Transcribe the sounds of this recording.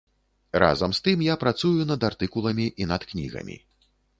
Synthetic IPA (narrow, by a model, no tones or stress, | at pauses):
ra̰zɐmst̪ɨmjapɾat̪sujunɐd̪art̪ɨkulˠɐmʲiʔinɐt̪knʲḭɣɐ̰mʲḭ